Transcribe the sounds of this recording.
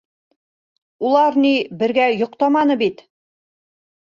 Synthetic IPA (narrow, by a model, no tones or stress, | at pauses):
ulˠɑɾnibɘ̆ɾɡæjŏqt̪ɑmɑnɤbit̪